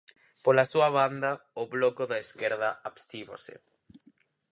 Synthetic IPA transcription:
polasuaβand̪ɐoβlokoðaeskeɾðaaβst̪iβo̰sḛ

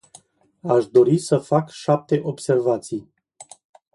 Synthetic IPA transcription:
aʃd̪o̞ɾisəfakʃap̚t̪e̞ʔo̞bse̞rvat̪sij

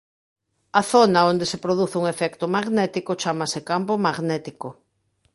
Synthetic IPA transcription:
ɐθonɐond̪esepɾoðuθuŋefɛkt̪ʊmaɣnɛt̪ikot͡ʃamɐsekampomaɣnɛt̪iko

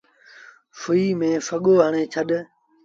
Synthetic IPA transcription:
fʊiːmẽːfəɠoːɦəːɳẽːt͡ʃʰəɗ

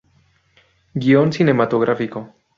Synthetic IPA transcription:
ɡio̞nsine̞mat̪oɣɾʔafiko

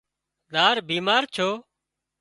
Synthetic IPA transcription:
d̪aːɾbiːmaːɾt͡ʃʰoː

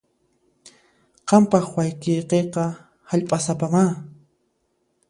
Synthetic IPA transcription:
qɑmpɑχwajkejqeqɑ | haʎpʼasapamaː

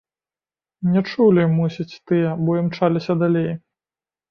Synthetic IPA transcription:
nʲɛt͡ʂulʲimusʲit͡sʲt̪ɨjɛbɔjimt͡ʂalʲisʲɐd̪alʲej

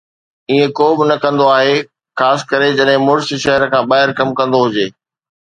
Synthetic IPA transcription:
iːẽkoːbɪnɐkɐ̃nd̪oaːɦe | xaːsɪ̥̆kɐɾed͡ʑɐɗɦɪ̃mʊɾsiʃɐɦəɾə̆kʰãːɓaːɦɪɾkɐmkɐ̃nd̪oɦʊd͡ʑeː

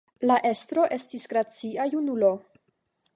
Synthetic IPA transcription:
laʔe̞stɾo̞ʔe̞stisɡɾat͡siajunulo̞

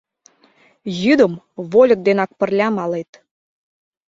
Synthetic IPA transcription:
jyd̪əm | βolʲə̆k̚d̪enɑk̚pə̆rlʲɑmɑlet̪

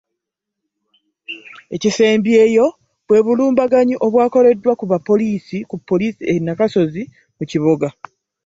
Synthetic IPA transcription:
e̞cise̞ːmbie̞ːjo̞ | βwe̞ːβuluːmbaɡaɲiʔo̞βwaːko̞le̞dːwakuβapːo̞liːsikupːo̞liːsienːakaso̞zi | muciβo̞ɡa

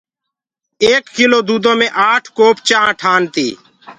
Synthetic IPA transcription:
eːkːiloːd̪uːd̪õːmẽːʔaːʈʰkoːpt͡ʃaːãːʈʰaːnt̪ḭː

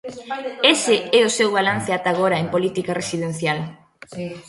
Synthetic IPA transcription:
esɪɛʊsewβalan̟θɪat̪aːɣ̞oɾɐempolit̪ikaresiðen̟θjal

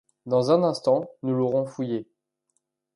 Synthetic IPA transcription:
d̪ɑ̃zɛ̃nɛ̃st̪ɑ̃nuloʁɔ̃fuje

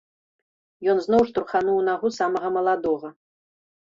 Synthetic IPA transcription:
jɔnznowʂt̪urχanuwnaʁusamɐʁɐmɐlˠad̪ɔʁɐ

